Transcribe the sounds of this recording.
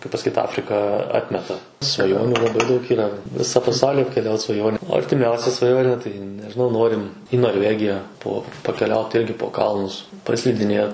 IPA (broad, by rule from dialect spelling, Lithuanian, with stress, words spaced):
kɐɪp pɐsɐˈkʲiːt ˈɑːfʲrʲɪkɐ ˈɑːtʲmʲɛtɐ sʋɐˈjoːnʲʊ lˠɐˈbɐɪ dɐʊk iːˈrɐ ˈʋʲɪsɐ pɐˈsɐʊlʲiː ɐpʲkʲɛˈlʲɛʊt sʋɐˈjoːnʲeː oː ɐrʲtʲɪˈmʲɛʊsʲɛ sʋɐˈjoːnʲeː tɐɪ nʲɛʒʲɪˈnɐʊ ˈnoːrʲɪm iː noːrʲˈʋʲæːɡʲɪjɛ poː pɐkʲɛˈlʲɛʊt ˈɪrʲɡʲɪ poː ˈkɐlˠnʊs pɐsʲlʲɪdʲɪˈnʲeːt